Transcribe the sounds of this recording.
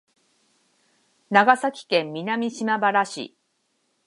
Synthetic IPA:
naɡasakʲi̥kẽ̞mːʲinamʲiɕimabaɾaɕḭ

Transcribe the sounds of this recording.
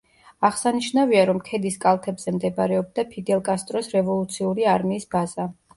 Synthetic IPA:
aʁsaniʃnaviaɾɔmkʰɛd̪iskʼalˠt̪ʰɛbz̥ɛmd̪ɛbɾɛɔb̚d̪apʰid̪ɛlˠkʼast̪ʼɾɔsɾɛvɔlˠut̪sʰiuɾiaɾmiːsbaz̥a

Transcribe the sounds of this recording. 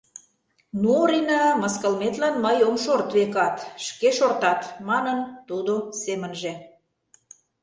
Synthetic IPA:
nuoɾinɑməskə̆lmet̪lɑnməjomʃort̪βekɑt̪ʃkeʃort̪ɑt̪mɑnənt̪ud̪osemənʒĕ

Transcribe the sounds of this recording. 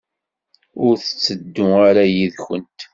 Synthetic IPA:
ʊɾθə̥t͡sːəd̪ːʊaɾæjiðçənt̪

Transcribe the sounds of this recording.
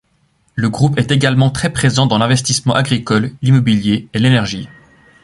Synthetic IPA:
ləɡʁupɛt̪eɡalmɑ̃t̪χɛpχezɑ̃d̪ɑ̃lɛ̃vɛst̪ismɑ̃ʔaɡʁikɔllimɔbiljeelenɛʁʒi

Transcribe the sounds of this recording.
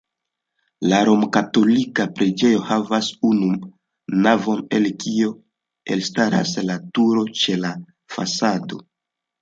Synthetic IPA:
laɾo̞mkato̞likapɾed͡ʒe̞jo̞havasunu | navo̞ne̞lkio̞ | e̞̰lstaɾa̰slatuɾo̞t͡ʃe̞la | fa̰sado̞

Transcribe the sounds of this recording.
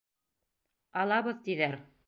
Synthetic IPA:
ɑlˠɑβɤðt̪iðæɾ

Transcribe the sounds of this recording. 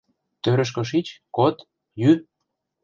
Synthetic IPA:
t̪øɾə̆ʃ̬kɤ̆ʃ̬it͡ɕkot̪ | jy

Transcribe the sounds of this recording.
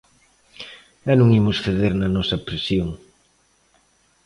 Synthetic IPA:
anũŋimʊsθeðeɾnɐnɔsɐpɾesjoŋ

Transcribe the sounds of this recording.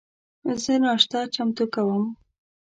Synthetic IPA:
zənɑʂt̪ɑt͡ʃamt̪ukawəm

